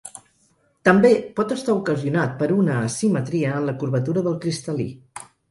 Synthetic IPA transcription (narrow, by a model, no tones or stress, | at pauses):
t̪əmbepɔt̪əst̪aukəziunat̪̚pəɾunəːsimət̪ɾiəːnləkuɾβət̪uɾəðəlˠkɾist̪əlḭ